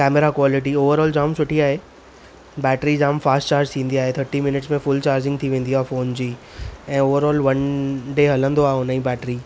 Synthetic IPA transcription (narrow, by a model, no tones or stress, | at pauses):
kɛːmeɾakʋɔːlɪʈioːʋəɾɔːld͡ʑaːmsʊʈʰiaːɦe | bɛːʈɾid͡ʑaːmfaːsʈt͡ɕaːɾd͡ʑt̪ʰĩːnd̪iaːɦet̪ʰəɾʈimɪnɪʈsmẽfʊlt͡ɕaːɾd͡ʑɪ̃ŋɡ̚t̪ʰiʋẽːn̆d̪iɦaːfoːnd͡ʑiː | ɛ̃ːoːʋəɾɔːlʋɐ̃nɖeːɦɐlə̃nd̪oaːonaĩbɛːʈɾi